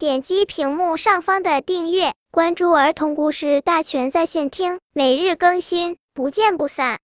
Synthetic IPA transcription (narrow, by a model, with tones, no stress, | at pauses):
t̪jɛ˨˩nt͡ɕi˥pʰi˧˥ŋmu˥˧ʂɑ˥˩ŋfɑ˥ŋd̪ə˨t̪i˥˧ŋɥɛ˥˩ | kwa˥nʈ͡ʂu˥˩ə˞˧˥t̪ʰʊ˧˥ŋku˥ʂɻ̩˥˧t̪a˥˩t͡ɕʰɥɛ˧˥nt͡sa˥˧ɪɕjɛ˥˩nt̪ʰi˥ŋme˨˩ɪɻɻ̩˥˩kɤ˥ŋɕi˥n | pu˧˥t͡ɕjɛ˥˧npu˥˩sa˥˩